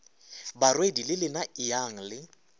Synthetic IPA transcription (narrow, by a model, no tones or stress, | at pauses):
barwedilɪlɪnaɪjaŋ̩lɪ